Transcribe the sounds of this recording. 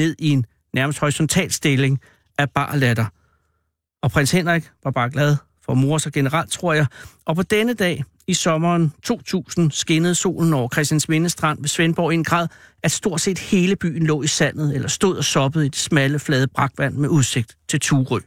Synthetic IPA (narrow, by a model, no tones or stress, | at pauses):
ne̝ð̞̰ˠie̝nː | æɐməsd̥hɒʁisɒ̽nt͡sʰɛ̰ːlsd̥e̝le̝ŋ | ʔæb̥ɑ̰̈ːlæd̥ɐ | ɒ̽pʰʁenshen̰ʁeɡ̥ʋɑ̈b̥ɑ̈ːɡ̥læð̞ˠ | fɒ̽mo̝ɐsɑɡ̥e̝nəʁɑl̰d̥̚t͡sʰʁo̝ɐ̰jɑ̈ɪɒ̽pʰɒ̽d̥enəd̥ɛ̰ː | isɒ̽mɐːnt͡sʰo̝̰ːt͡sʰṵːsn̩sɡ̥e̝nəð̩ˠso̝̰ːln̩ɒʊɐkʰʁɛsd̥jænsʋe̝nəsd̥ʁɑ̈n̰ʋe̝sʋenb̥ɒ̰ːienɡ̥ʁɑ̈ːðˠæd̥sd̥o̝ɐ̰̥se̝̰ːd̥he̝ːləb̥y̰ːn̩lɔ̰ːisæn̰ð̞̩ˠelʔɐsd̥o̝ð̞̰ˠɒ̽sɒ̽b̥əð̞̩ˠid̥e̝smæləflɛːð̞ˠb̥ʁɑ̈ɡ̥ʋæn̰meʔuðˠse̝ɡ̥̚d̥t͡sʰe̝lt͡sʰuːʁœ